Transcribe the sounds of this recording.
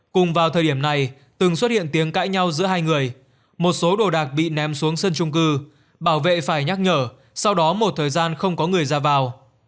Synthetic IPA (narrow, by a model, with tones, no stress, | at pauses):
kʊ˨˩ŋ͡mvaː˨˩wt̪ʰəː˨˩ɗi˧˩əmna˨˩j | t̪ɨ˨˩ŋswə˦˥t̚hḭ˧˨ənt̪i˨˦əŋka̰ː˧˥jɲa˧wzɨ̰˧˥əɦaː˧jŋɨ˨˩əj | mo˨˩t̚so˨˦ɗo˨˩ɗaː˨˩k̚ɓḭ˧˨nɛ˨˦msu˨˦əŋsə˧nt͡ɕʊ˧ŋ͡mkɨ˧ | ɓaː˧˩wvḛ˧˨faː˧˩jɲa˦˥k̚ɲəː˧˩ | sa˧wɗɔ˨˦mo˨˩t̚t̪ʰəː˨˩jzaː˧nxə˧wŋ͡mkɔ˨˦ŋɨ˨˩əjzaː˧vaː˨˩w